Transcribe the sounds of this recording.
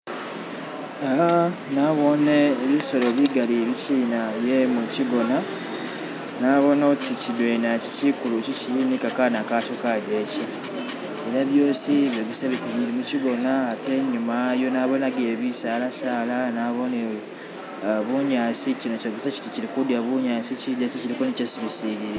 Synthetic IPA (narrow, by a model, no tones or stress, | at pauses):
anaβo̞neːβiso̞lo̞βiɡalieβiciːnaβjemuciɡo̞na | naβo̞notʰicidwenacisikuluciciinikakanakat͡ʃokaɟeci | eɾaβjo̞ːsiβjoβisaβikumilimuciɡo̞naːte̞ɲːumajo̞naːβonaɡeβisaːlasaːlanaːβo̞ne | βuɲaːsicinocaβisaci̥ticiɾikudjaβuɲaːsiciɟaciciɾikonicesiβisiɾie